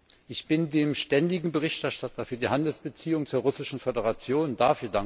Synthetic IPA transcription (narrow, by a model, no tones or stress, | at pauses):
ʔɪçb̥ɪndeːmʃtɛndɪɡŋ̩bəʁɪçtɛɐʃtatʰɐfyːɐdiːhandl̩sb̥ət͡siːʊŋt͡suːɐʁʊsɪʃn̩fedəʁat͡sjoːndafyːɐda